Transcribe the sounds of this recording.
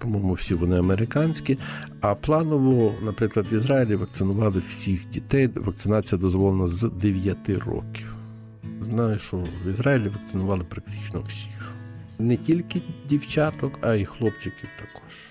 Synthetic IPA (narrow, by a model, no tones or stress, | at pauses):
pɔmɔjmʊwsʲiʋɔnɪɐmeɾɪkɑnʲsʲkʲiɐplˠɑnɔʋɔnɐpɾɪklˠɐd̪ʋizɾɑjilʲiʋɐkt̪sɪnʊʋɑlˠɪwsʲixdʲit̪ɛjʋɐk̚t̪sɪnɑt͡sʲijɐd̪ɔzʋɔlˠenɐzd̪eʋʲjɐt̪ɪrɔ̰kʲiw | znɑjɪʃɔʋizɾɑjilʲiʋɐk̚t̪sɪnʊʋɑlˠɪpɾɐk̚t̪ɪ̥t͡ʃnɔw̥sʲi̥xnɛtʲilʲkɪdʲiwt͡ʃɑt̪ɔkɐixlˠɔpt͡ʃɪkʲiwt̪ɐkɔ̥ʒ